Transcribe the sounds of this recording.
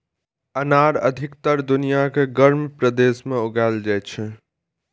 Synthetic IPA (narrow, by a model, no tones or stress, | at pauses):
ənaɾə̰d̪ʱikt̪əɾd̪unijakeɡəɾmpɾəd̪esmeuɡaɪld͡ʒajt͡ʃʰ